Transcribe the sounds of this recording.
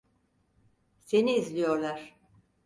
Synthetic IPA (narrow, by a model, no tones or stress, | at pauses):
se̞niːzlʲijo̞ɾlˠaɾ̥